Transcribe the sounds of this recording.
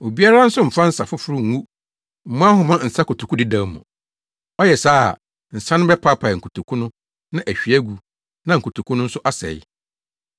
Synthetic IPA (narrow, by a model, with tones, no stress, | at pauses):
o˨bi˦a˦ɾa˦n̩˦sʊ˦m̩˨fã˦n̩˦sa˨fʊ˦fʊ˦ɾʊ˦ŋ˨wu˦ | m̩˨mʊ̃˦a˦ɦʊ˨mã˦n̩˨sa˦kʰʊ˨tʰu˨ku˦di˦dã˦mʊ̰̃˨ | ɔ˦jɛ˨sa̰ː˦˨ | n̩˨sã˦nʊ̃˦bɛ˦pʰa˦pʰa˨ŋ̩˨kʰu˨tʰu˨kʰu˦nʊ̃˦ | nã˦ʔæ˨ɕᶣi˨æ˦ɡu˨ | nã˦ŋ̩˨kʰu˨tʰu˨kʰũ˦nʊ̃˦n̩˦sʊ˦ʔa˦sɛ̰˨j